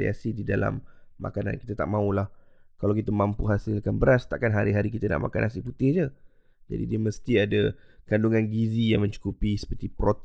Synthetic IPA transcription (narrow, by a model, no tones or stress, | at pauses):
ia̰sididala̰mːa̰kana̰nki̥t̪at̪aʔmãulahkalawkit̪amampuɦasɪlkanbəɾast̪aʔkanɦaɾiɦaɾikit̪ana̰ʔma̰ka̰nasiput̪ɪhd͡ʒə | d͡ʒa̰dḭdiəməst̪iadakanduŋanɡizijaŋmə̃ɲt͡ʃu̥kupisə̥pərt̪ipɾot̪